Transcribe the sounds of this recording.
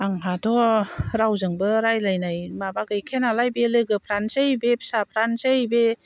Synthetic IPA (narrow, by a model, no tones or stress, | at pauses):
aŋɦatʰɔɾawzɯŋbɯɾajlajnajmabaɡɯjkʰenalajbelɯɡɯpʰɾansajbepʰsap̚ʰɾansajbe